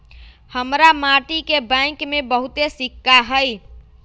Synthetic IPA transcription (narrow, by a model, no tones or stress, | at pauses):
həmɾamaʈikebə̃ɪ̃kmebəɦut̪esikːaɦəj